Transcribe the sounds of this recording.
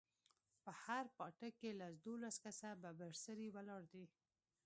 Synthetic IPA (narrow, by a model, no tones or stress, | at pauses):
pəhaɾpɑʈakelasd̪olaskasababaɾsəɾiwalɑɽd̪i